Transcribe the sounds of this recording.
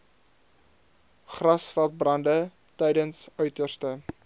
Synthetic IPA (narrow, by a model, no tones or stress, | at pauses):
χrɐsfɛlˠt̚brɐndə | tɛjdənsœɥtərstə